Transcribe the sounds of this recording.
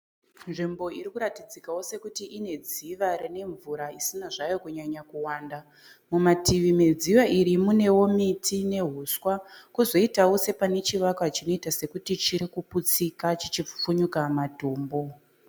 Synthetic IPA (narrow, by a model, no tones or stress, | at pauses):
nʐimbo̞iɾikuɾatid͡zikawo̞se̞kutiʔine̞d͡ziʋaɾine̞ɱvuɾaisinaʐajo̞kuɲaɲakuwaːnda | mumatiʋime̞d͡ziʋaʔiɾimune̞wo̞mitʰine̞ɦuswakuzo̞itawo̞se̞pane̞t͡ʃiʋakwat͡ʃino̞itase̞kutit͡ʃiɾikuput͡sikat͡ʃit͡ʃip͡fuɲukamatoːmbo̞